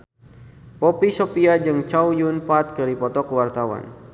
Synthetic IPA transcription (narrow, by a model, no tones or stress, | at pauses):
pɔpisɔpiad͡ʒɨŋt͡ʃaujunpat̪̚kɨɾipɔt̪ɔkəwart̪awa̰n